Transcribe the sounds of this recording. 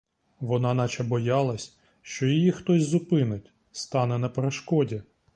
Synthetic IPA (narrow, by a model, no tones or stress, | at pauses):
ʋɔnɑnɑt͡ʃɛbɔjɑlˠɐsʲ | ʃt͡ʃɔjɔjixt̪ɔsʲzʊpɪnɪtʲ | st̪ɑnɛnɐpeɾeʃkɔdʲi